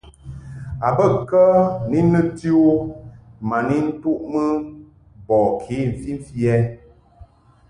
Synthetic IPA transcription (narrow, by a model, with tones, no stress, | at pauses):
a˨bə˦kə˦ni˦nə˦ti˦o˦ | ma˨ni˦n̩˦tu˦ʔmə˦ | bɔ˨kʰi˨˦˨m̩˨fi˦ɱ̩˦fi˦ɛ˦